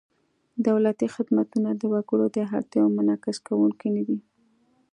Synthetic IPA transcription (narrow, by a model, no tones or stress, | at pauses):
d̪awlat̪ixɪd̪mat̪unad̪əwaɡuɽod̪əɦaɾt̪jɑwmanɑkɪskawuŋkajnad̪i